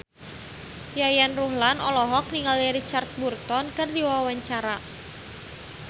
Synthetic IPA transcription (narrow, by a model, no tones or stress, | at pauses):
jajanruhlanɔlɔɦɔk̚niŋaliɾit͡ʃart̪̚burt̪ɔnkɨrd̪iwawaɲt͡ʃaɾa